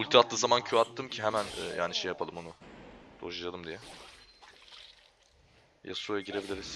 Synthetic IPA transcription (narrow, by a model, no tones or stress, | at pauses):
ulʲt̪ʰiat̪lɯːzamancʰyat̪ːɯmcʰiɦemænɛ̰jʔaːniʃejapʰalˠɯmo̞nud̪̥oʃad͡ʒalˠɯmd̪ijɛ | ja̰suojaɟiɾe̞bilʲiɾiz̥